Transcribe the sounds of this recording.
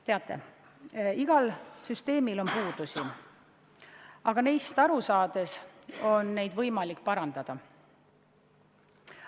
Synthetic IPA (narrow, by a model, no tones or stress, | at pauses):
t̪e̞ɑt̪ːˑe̞̰ | iɡ̥ɑlsyst̪e̞ːmilo̞npuːd̪̥usi | ɑɡ̥ɑnejst̪ɑɾusɑːd̪̥e̞so̞nːe̞jd̪̥vɤjmɑlikːpɑɾɑnd̪̥ɑd̪̥ɑ